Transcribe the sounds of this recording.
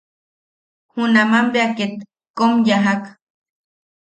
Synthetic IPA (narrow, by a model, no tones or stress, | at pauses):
hunamambeaket̪ | komjaɦak